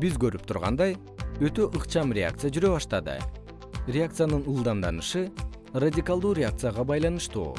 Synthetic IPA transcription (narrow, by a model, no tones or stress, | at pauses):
bizɡø̞ɾyp̚t̪ʰuɾʁɑ̰nd̪ɑj | øt̪ø̞ʔɯqt͡ʃɑmrʲɪa̰k̚t̪sɨjad͡ʒyɾø̞βɑʃt̪ɑd̪ɯ̰ | rʲɪak̚t̪sɨjanɯnulˠd̪ɑmd̪ɑnɯʃɯ | radʲikalˠd̪uːɾʲɪak̚t̪sɨjaʁɑbɑjlˠɑnɯʃt̪ṵː